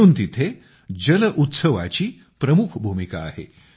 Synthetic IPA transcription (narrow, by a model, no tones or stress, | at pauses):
uːnt̪it̪ʰe | d͡ʑələʔut̪səʋa̰t͡ɕiː | pɾəmukʰbʱumika̰ːɦḛ